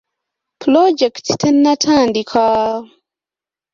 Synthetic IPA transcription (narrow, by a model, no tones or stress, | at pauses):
pʰlod͡ʒɛkttənːatʰandikʰɔː